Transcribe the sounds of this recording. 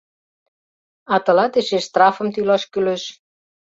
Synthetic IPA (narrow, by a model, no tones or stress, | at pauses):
ɑt̪ə̆lɑt̪eʃeʃst̪rɑfə̆mt̪ylɑʃkyløʃ